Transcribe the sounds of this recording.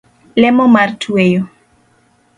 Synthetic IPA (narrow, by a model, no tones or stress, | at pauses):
lɛmɔmartʰuejo